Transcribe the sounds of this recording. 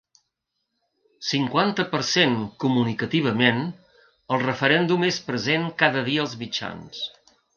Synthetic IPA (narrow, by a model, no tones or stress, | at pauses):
siŋkwant̪əpəɾseŋkumunikət̪iβ̞əmen | əlˠrəfəɾɛnd̪umespɾəzeŋkaðəðiəːlˠzmit͡ʃa̰ns